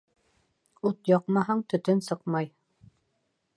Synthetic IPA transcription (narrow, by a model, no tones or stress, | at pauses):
ut̪jɑqmɑɦɑɴt̪ɵ̆t̪ɵnsɤqmɑj